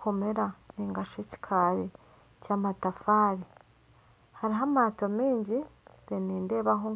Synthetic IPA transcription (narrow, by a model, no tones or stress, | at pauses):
kome̞ɾaniŋɡaʃoci̥kʰaɾi | caːmatafaːɾi | haɾiɦamaːtomiːɲɟiβeniːnde̞ːβaɦo